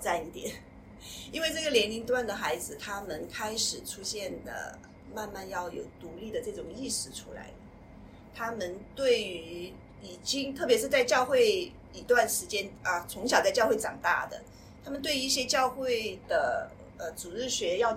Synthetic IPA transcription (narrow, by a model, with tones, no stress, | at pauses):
t͡sa˥˧ni˥˩t̪jɛ˨˩˥n | i˥nwe˥˧ɪʈ͡ʂɤ˥˩ɡə˩ljɛ˧˥nli˧˥ŋt̪wa˥˩nd̪ə˩xa˧˥ɪd͡zɹ̩˧t̪ʰa˥mə˨nkʰa˥ɪʂɻ̩˨˩ʈ͡ʂʰu˥ɕjɛ˥˩nd̪ə̰˩ | ma˥˧nma˥˧njɑ˥˩ʊjo̰˨˩ʊt̪u˧˥li˥˩d̪ə˩ʈ͡ʂɤ˥˩ʈ͡ʂʊ˨˩ŋi˥˩ʂɻ̩˥˩ʈ͡ʂʰu˥la̰˧˥ɪlə˩ | t̪ʰa˥mə˨nt̪we˥˩ɪy˧˥˧ | i˨˩t͡ɕi˥ŋt̪ʰɤ˥˩pjɛ˧˥ʂɻ̩˥˧t͡sa˥˧ɪt͡ɕjɑ˥˧ʊxwe˥˩ɪ | i˧˥t̪wa˥˩nʂɻ̩˧˥t͡ɕjɛ˥nə˧t͡sʰʊ˧˥ŋɕ̬jɑ˨˩ʊt͡sa˥˧ɪt͡ɕɑ˥˧ʊxwe˥˩ɪʈ͡ʂɑ̰˨˩ŋt̪a̰˥˩d̪ə̰˩ | t̪ʰa˥mə˨nt̪we˥˧ɪi˥˩ɕjɛ˥t͡ɕjɑ˥˧ʊxwe˥˩ɪd̪̥ə˩ | ə˧˩t͡su˨˩ɻɻ̩˥˩ɕɥɛ˧˥jɑ˥˩ʊ